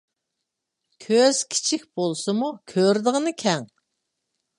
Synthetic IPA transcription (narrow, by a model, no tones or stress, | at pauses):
kʲʰøz̥kʲʰi̥t͡ʃʰik̚ʲb̥olˠsɨmukʲʰøɾd̪ɨʁənɨkʲʰɛŋ